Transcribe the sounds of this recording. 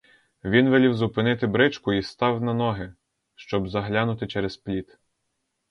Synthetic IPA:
ʋʲinʋelʲiwzʊpɪnɪt̪ɪbɾɪt͡ʃkʊist̪ɑwnɐnɔɦɪ | ʃt͡ʃɔbzɐɦlʲanʊt̪ɪt͡ʃɛɾesplʲit̪

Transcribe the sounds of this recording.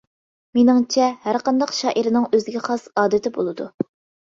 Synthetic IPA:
menɪŋt͡ʃʰɛhæɾqɑnd̪ɑqʃɑːʔiɾɪnɨŋøzɡʲɛχɑsɑːd̪ɨt̪ʰɪbolˠɨd̪u

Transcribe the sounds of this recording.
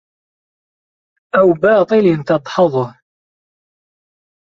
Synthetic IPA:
ʔawbɑːt̪ˤɨlint̪ɑd̪ˤħɑðˤʊh

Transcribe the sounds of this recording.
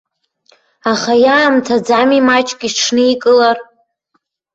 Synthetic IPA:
aχajaːmtʰad͡zamimat͡ʃʼkʲʼiʈ͡ʂʰnɨikʼɨlar

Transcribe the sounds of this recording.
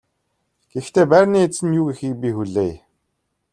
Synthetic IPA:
ɡ̥ext̪ʰeːpærʲniːet͡sɘ̆njuːɣixiːk̚pʲixuɮeːj

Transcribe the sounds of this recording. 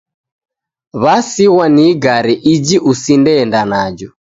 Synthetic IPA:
βasiɣwaniɡaɾɛʔid͡ʒiʔusindɛndanad͡ʒɔ

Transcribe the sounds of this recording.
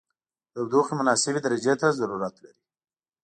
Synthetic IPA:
d̪awd̪oxemʊnɑsɪbed̪aɾad͡ʒet̪azaɾuɾat̪laɾi

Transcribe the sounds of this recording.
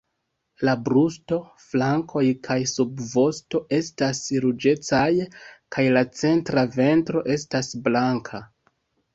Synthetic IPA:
labɾusto̞ | flaŋkʰo̞jkʰajsubvo̞sto̞ʔe̞stasɾud͡ʒe̞t͡sajkajlat͡se̞ntɾave̞ntɾo̞ʔe̞stasblaŋkʰa

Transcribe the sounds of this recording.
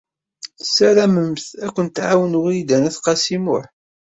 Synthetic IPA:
sːæɾæməmθækʷːənt̪ʕawənʊʁid̪ænæθqɑsimʊħ

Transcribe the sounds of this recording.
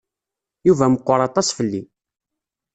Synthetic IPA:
juvæməqʷːʊɾˤɑt̪ˤɑsfəlːi

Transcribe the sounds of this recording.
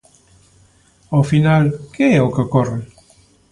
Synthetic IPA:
ofinalkeɛokəkɔre

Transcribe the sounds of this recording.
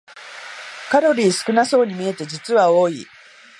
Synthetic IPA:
kaɾo̞ɾʲiːsɨ̥kɯ̟naso̞ːɲ̟imʲie̞t̪e̞d͡ʑit͡sɨβao̞ːḭ

